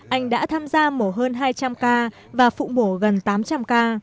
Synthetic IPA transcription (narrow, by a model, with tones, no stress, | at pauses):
ʔa˧jŋ̟ɗa̰ː˧˥t̪ʰaː˧mzaː˧mo˧˩ɦəː˧nɦaː˧jt͡ɕa˧mkaː˧ | vaː˨˩fṵ˧˨mo˧˩ɣə˨˩nt̪aː˨˦mt͡ɕa˧mkaː˧